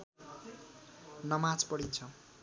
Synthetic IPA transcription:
nʌmãt͡spʌɽint͡sʰʌ

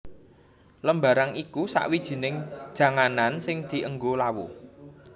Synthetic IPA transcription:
ləmbaɾaŋikusa̰ʔwid̥ʒ̥i̤nɪŋd̥ʒ̥ä̤ŋanansɪŋd̪̥i̤ʔəŋɡolawo̰

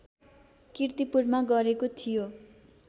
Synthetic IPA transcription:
kirt̪ipurmaɡʌɾekot̪ʰijo

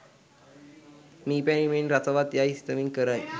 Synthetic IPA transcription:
miːpanimenɾat͡saʋat̪jaist̪əmiŋɡkəɾaj

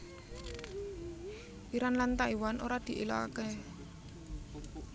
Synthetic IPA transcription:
iɾanlant̪aʔiwanʔoɾad̪̥i̤ʔela̰a̰ke

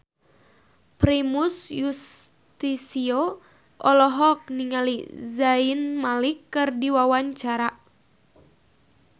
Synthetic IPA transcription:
pɾimusjus | t̪isio | ʔɔlɔɦɔk̚niŋalizainmalikːɨrdiwawaɲt͡ʃaɾa

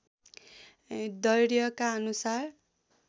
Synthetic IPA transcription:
d̪ʌjɾjʌkaʌnusar

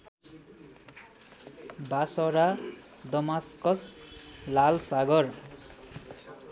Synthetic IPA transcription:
basʌɾa | d̪ʌmaskʌslalsaɡʌr

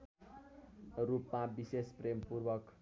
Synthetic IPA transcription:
rupmabisesprempurwʌk

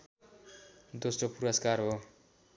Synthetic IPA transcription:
d̪osropuɾʌskarɦo

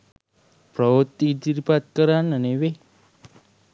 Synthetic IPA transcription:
pɾəʋot̪ːid̪iɾpat̪̚kəɾanəneʋe

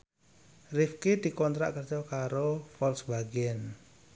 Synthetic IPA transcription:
rifkid̪̥i̤kɔnt̪ɾa̰ʔkərd͡ʒɔkaɾofɔlsbaɡɛn

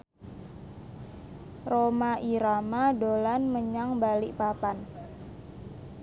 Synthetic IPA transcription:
romaʔiɾamadolanməɲaŋbaliʔpapan

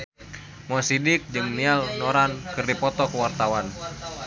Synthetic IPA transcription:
mɔasidɪk̚d͡ʒɨŋnialnɔɾankɨrdipɔt̪ɔkəwart̪awan

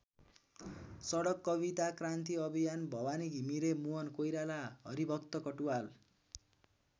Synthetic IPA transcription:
sʌɽʌkːʌβit̪akrant̪iʌbʱijanbʱʌwaniɡʱimiɾemuʌnkojɾalaɦʌ̰ɾibʱʌkt̪ʌkʌʈuwal

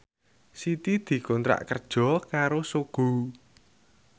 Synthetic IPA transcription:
sit̪id̪̥i̤kont̪ɾa̰ʔkərd̥ʒ̥ɔ̤kaɾosuɡ̥ṳ

